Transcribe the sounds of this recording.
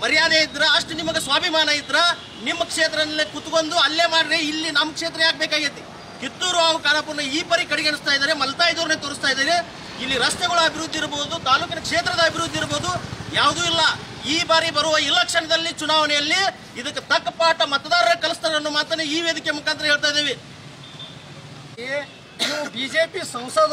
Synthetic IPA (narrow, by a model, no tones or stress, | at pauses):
mɐɾijaːd̪eːjid̪ɾɐːʂʈunimɐɡesʋaːbʱimaːnɐjid̪ɾɐ | nimːɐkʂeːt̪ɾɐlːekut̪ko̞nd̪uɐlːeːmaːɽiɾeilːinamːɐkʂeːt̪ɾɐaːɡ̚bɛːkaːɡit̪ːi | kit̪ːuːɾuaːʋɐkaːɾaːpuɾnɐiːpɐɾikɐɽiɡeɳust̪aːjd̪aːɾemɐlɐt̪aːjd̪uːɾnet̪oːɾust̪aːjid̪aːɾe | ilːiɾɐst̪ɛɡɐɭuɐbʱiɾud̪ːiɾboːd̪ut̪aːluːkinɐkʂeːt̪ɾɐd̪ɐɐbʱiɾud̪ːiɾbo̞ːd̪ujaːʋd̪uːilːɐ | iːbaːɾibɐɾuʋɐilːɐkʂɐɳɐd̪ɐlːit͡ʃunaːʋɐnɛjɐlːi | id̪ɐkːet̪ɐkːɐpaːʈɐmɐt̪ɐd̪aːɾɐɾɐkɐlust̪aːɐnːumaːt̪ɾɐneiːʋeːd̪ikemukʰaːnt̪ɾɐɦeːɭt̪aːjd̪eːʋe | e | ibid͡ʒeːpisɐwso